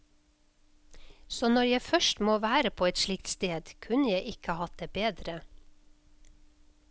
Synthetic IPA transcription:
soːnɔɾjæɪfœʃtmoːʋæːɾəpʰoːɛt̪ʃlɪk̚t̪st̪eːd̪kʰʉnəjæɪʔɪkəəhɑt̪̚d̪eːbeːd̪ɾə

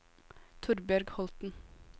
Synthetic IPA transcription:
t̪ʰʊɾbæɾɡhɔlt̪n̩

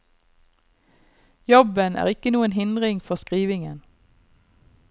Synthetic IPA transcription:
jɔbənʔæ̰ːʁɪkənuːənɦɪnd̪ʁɪŋfɔʁskʁiːʋɪŋə̰n

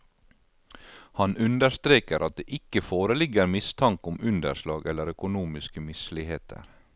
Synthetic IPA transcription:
hɑnʔʉnd̪əɾst̪ɾeːkəɾʔɑt̪̚d̪ḛːʔɪkəfoːɾəlɪɡəɾmɪst̪ʰɑŋkʊmʉnd̪ə̰ɾʃlɑːɡɛləɾœkʊnuːmɪskəmɪslɪheːt̪ʰə̰ɾ

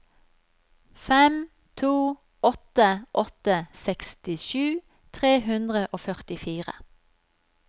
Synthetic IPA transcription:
fɛm | t̪ʰuː | ɔt̪əʔɔt̪əsɛkst̪ɪʃʉː | t̪ʰʁeːhʉnd̪ʁəʔoːfœʁt̪ɪfiːʁə̰

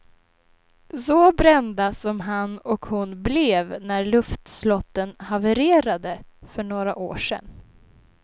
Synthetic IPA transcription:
sɔbɾɛnd̪asɔmɦanɔkhʊnblɛvnæɾɭɵft̪slɔt̪ːənhavəɾeːɾad̪əfœɳoːɾaʔo̰ːʂɛ̰n

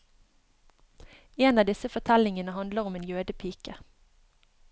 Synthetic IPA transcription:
eːnɑːʋd̪ɪsəfɔt̪ʰɛlɪŋənəɦɑnd̪ləʁɔmeːnjøːd̪əpʰiːkə

